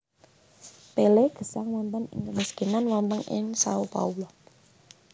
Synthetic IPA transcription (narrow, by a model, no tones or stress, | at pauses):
peleɡ̥ə̤saŋwɔnt̪əŋɪ̰ŋkəmiskinanwant̪əŋɪ̰ŋsa̰upa̰ulɔ